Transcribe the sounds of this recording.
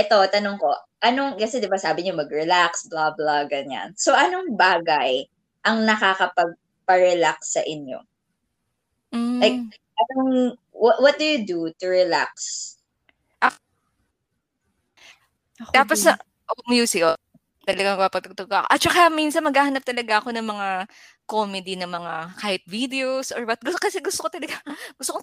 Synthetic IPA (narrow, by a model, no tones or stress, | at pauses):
ʔɛt̪o̞t̪ɐnoŋko̞ | ʔɐnoŋkɐsɛd̪ɪbasaːbɪɲomɐɡɹɛlaksblablaɡɐnja̰nso̞ʔɐnoŋbaːɡɐj | ʔɐŋnɐkakɐpɐɡ̚ | pɐɹɛlaksːɐʔɪɲjo̰ | m̩ajk̚ | ʔɐnoŋ | wwɔt̪̚d̪ʊjʊd̪ut̪ʊɹɛla̰ks | ʔɐk | t̪aːpos | ʔomjusɪjo | t̪ɐlɐɡaŋmɐɡ̚paːpɐɡ̚t̪ʊɡ̚t̪ʊɡkaʔɐkoʔɐt̪̚t͡ʃɐkaminsɐnmɐɡaːhɐnɐp̚t̪ɐlɐɡaʔɐko̞nɐŋmɐŋa | komɛd̪inɐŋmɐŋakaːhɪt̪̚vid̪ɛosʔoɹbɐt̪̚ɡʊkɐsɛɡʊst̪okot̪ɐlɐɡaɡ̥ʊst̪oko